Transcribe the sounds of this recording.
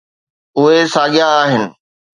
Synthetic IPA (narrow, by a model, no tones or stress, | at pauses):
ʊɦesaːɠɪjaaːɦɪnɪ̆